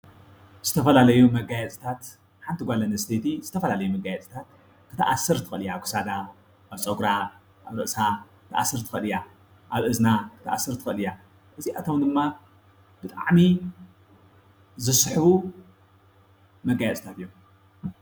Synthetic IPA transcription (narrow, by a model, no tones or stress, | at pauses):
z̥ɨt̪ʰɐfɐlalɐjumɐɡajɛt͡sʼi̥t̪ʰat̪ | ħant̪ʰiɡʷalɐnɐst̪ʰet̪ʰizɨt̪ʰɐfɐlalɐjumɐɡajɛt͡sʼi̥t̪ʰat̪ | kʰɨt̪ʰaʔasɨɾt̪ʰɨ̥xɨlɨjaβkʰɨ̥sad̪a | ʔaβt͡sʼoɡɾa | ʔaβɾɨʔsakɨ̥t̪ʰaʔa̰sːɨɾt̪ʰɨ̥xɨlja | ʔaβʔɨznakʰɨt̪aʔasːɨɾt̪ʰɨ̥kɨlɨja | ʔɨziʔat̪ʰomd̪ɨmːa | b̥ɨt̪ʼa̰ʕmi | zɨsħβu | mɐɡajɛt͡sʼɨ̥t̪ʰat̪ɨjːom